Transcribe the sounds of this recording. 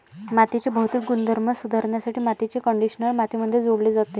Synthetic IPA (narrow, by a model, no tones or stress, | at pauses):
mat̪it͡ɕebəɦut̪iːk̚ɡund̪ʱəɾməsud̪ʱaɾɳjasaʈʰiːmat̪it͡ɕekəɳɖiɕnəlmat̪iməd̪ʱːjed͡zoɽled͡zat̪e